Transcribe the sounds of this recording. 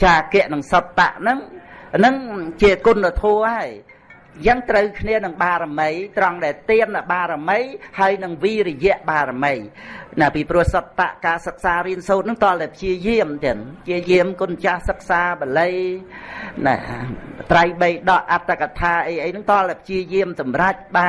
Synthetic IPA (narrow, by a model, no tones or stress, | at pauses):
t͡ɕaːkɛ̆əʔnɨŋsot̪ːa̰ʔnɨŋnɨŋt͡ɕiəkunːət̪ʰoəhaəj | jəŋt̪rəwkʰniənɨŋɓaːɾaməjt̪rɑŋɗaɛlt̪iəmnɨɓaːɾaməjhaəjnɨŋʋiːrɔjɛ̆əʔɓaːɾaməjnapiːprŭəhsɑt̪ːa̰ʔkaːsək̚saːɾiənsoːt̪̚nɨŋt̪oəlʔ̪apʰt͡ɕiəjiəmt̪ɛəŋpʰt͡ɕiəjiəmkunt͡ɕahsək̚saːɓələj | na̰ | t̪rajɓəjɗɑʔʔat̪ːakat̪ʰaːʔəjʔəjnɨŋt̪oəlapʰt͡ɕiəjiəmsɑmrac̚ɓa